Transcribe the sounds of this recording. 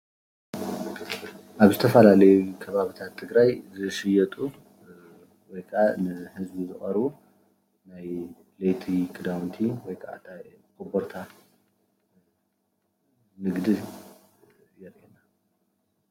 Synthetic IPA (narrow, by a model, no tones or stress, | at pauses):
ʔaβzɨt̪ʰɐfɐlalɐjukʰɐβaβit̪ʰat̪ʰːɨɡɾajzɨʃɪjɐt̪ʼu | wɔjkʰʼanɨhɨzbizɨχʼɐɾβu | naj | lejt̪ʰikʰʼɨd̪awnt̪ʰiwɔjkʰaʔa̰t̪ʰakɨbɔɾt̪ʰa | nɨɡd̪ɨ | jɛɾʔɛnːa